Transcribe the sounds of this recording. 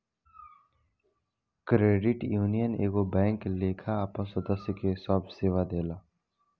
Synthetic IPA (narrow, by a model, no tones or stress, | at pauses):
kɾeːɖɪʈjuːnijənḛːɡobɛ̃ːŋkleːkʰaapə̃səd̪əsjəkesɔːbseːʋad̪eːlaː